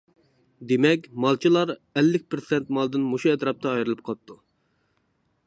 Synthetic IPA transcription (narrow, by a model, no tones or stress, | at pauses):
d̪emɛkʲmɑlˠt͡ʃʰilˠɑɾɛlːɪk̚ʲpɾsɛnt̪mɑlˠd̪ɨnmoʃuɛt̪ɾɑp̚t̪ɑːjɾɨlˠɨp̚qʰɑlˠp̚t̪ʰu